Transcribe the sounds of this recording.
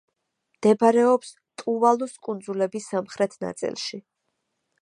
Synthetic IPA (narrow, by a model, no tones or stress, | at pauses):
md̪̥ɛbaɾɛɔps | t̪ʼuvalˠuskʼund̪zulɛbisːamχɾɛt̪ʰna̰t̪sʼḭlˠʃi